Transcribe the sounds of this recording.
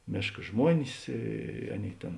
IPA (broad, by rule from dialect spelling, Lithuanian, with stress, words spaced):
ˈmʲeːʃkɐ ˈʒmuɔnʲɪs ˈiː ˈɑːˌnʲeːɪ ˈtʲeːn